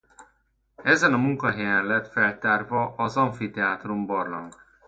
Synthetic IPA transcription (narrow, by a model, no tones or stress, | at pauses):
ɛzɛnɒmuŋkɒɦɛjɛnlɛt̪fɛlt̪aːrvɒʔɒzɒɱfit̪ɛaːt̪rumbɒrlɒ̰ŋ